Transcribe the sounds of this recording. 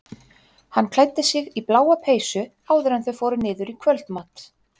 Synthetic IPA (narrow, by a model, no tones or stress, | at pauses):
hanːkʰlaːjt̪ːɪsɪɣiplaːwapʰeːjsʏ | aːwðɪɾɛnθœɥfɔːɾʏnɪːðʏɾikʰvœlt̪maːt̪